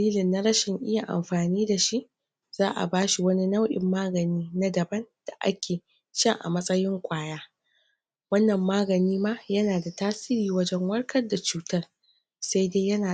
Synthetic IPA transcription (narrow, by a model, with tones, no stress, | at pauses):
liː˦lɪ˨nːa˦ɽɐ˦ʃɪ˨ŋʔɪ˦ja˨ʔa̰˨mɸaː˨niː˦da˨ʃi˦ʔ | z̥aː˦ʔa̰˨baː˦ʃi˨wɐ˦ni˦na˦wʔɪ̰˨mːaː˦ɡɐ˨niː˦na˦dɐ˨bɐ˦nd̥a˨ʔa̰˦kʲʰeː˨ | t͡ʃɐ˦ŋʔa̰˨mɐ˦sʼɐ˦jɪ˦ŋkʷʼaː˦jaː˦ | wɐ˦nːɐ˨mːaː˦ɡɐ˨niː˦maː˦jɐ˦naː˨da˨taː˦siː˦ɾiː˨wɐ˦d͡ʒɛ˦ŋwɐ˦rkʰɐ˦rda˨t͡ʃuː˦tɐ˦r | sa˦jdeː˦jɐ˦naː˨